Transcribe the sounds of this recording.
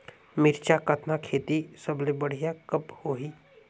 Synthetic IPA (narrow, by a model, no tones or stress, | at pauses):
mɪɾt͡ʃakət̪nakʰeːt̪isəblebəɽ̤ijakɐphoːɦiː